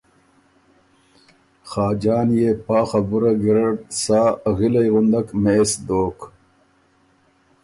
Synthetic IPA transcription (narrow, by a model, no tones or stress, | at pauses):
xɑːd͡ʒɑːnjepɑːxabuɾaɡiɾaɽsɑːɣilajɣʊnd̪akmeːsd̪oːk